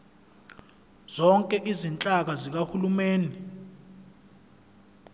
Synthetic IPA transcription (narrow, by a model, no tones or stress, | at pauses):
z̥ɔŋkʼɛʔizint͡ɬʼak̬azik̬ahulumeːni